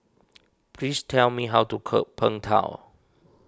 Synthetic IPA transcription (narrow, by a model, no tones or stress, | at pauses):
pʰlistʰɛlmiɦawtukʰə̰pʰːə̃ŋtʰã̰ʊ